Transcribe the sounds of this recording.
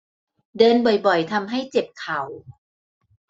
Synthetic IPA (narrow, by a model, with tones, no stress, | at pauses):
dɤː˧nbɔ˨˩jbɔ˨˩jt̪ʰa˧mɦa˥˩jt͡ɕe˨˩p̚kʰa˨˩˦w